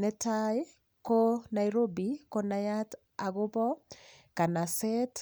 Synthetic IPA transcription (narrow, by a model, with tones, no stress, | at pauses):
nɛ˦taj | kona˨iɾo˦bi˨ko˦na˨jat | aɡʊ˦bɔ˦ | ka˨nasɛt